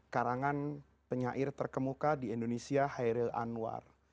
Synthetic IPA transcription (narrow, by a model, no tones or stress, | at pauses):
kaɾaŋan | pəɲaʔɪrt̪ərkəmukadiindonesiahajɾila̰nuwa̰r